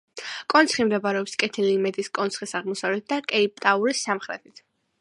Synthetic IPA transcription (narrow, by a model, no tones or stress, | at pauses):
kʼɔnt̪sʰχimd̪ɛbaɾɛɔpskʼɛt̪ʰiliːmɛd̪iskʼɔnt̪sʰχisaʁmɔsavlɛt̪̚ʰd̪akʼɛip̚ʼt̪ʼauɾisːamχɾɛt̪ʰit̪ʰ